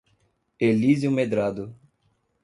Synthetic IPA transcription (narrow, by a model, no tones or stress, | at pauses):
elizjumed̪ɾad̪ʊ